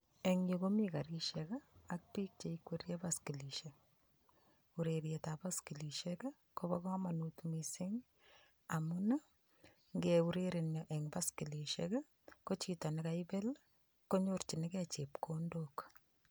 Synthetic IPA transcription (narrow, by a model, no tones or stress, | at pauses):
eŋjikomikaɾiʃekaak̚pik̚t͡ʃeikweɾjapaskiliʃe | uɾeɾjetapaskiliʃek | kobakamanutmisɪŋ | amuna | ŋɡeuɾeɾenjɔʔeŋbaskiliʃḛk | kot͡ʃitanɪkaipel | koɲort͡ʃinɪkɛt͡ʃepkʰondok